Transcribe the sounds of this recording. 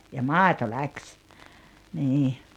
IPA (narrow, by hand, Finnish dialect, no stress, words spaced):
jɑ mɑˑito læksʲ niː